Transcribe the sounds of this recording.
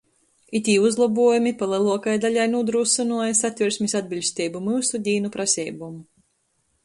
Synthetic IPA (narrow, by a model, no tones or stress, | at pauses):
it̪ʲiːuzlˠabuɔjumipalˠɛlˠuɔkajd̪alʲajnud̪ɾusɨnuɔjasat̪ʲviɾsʲmʲisad̪̚bʲilʲsʲt̪ʲɛːbumɨːsud̪ʲiːnupɾasʲɛːbumu